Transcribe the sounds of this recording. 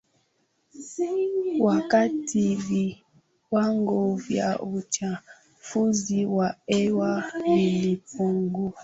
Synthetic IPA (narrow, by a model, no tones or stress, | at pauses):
wakatʰivi | waŋɡovja̰ut͡ʃa | fuziwaɛwavilipoŋɡo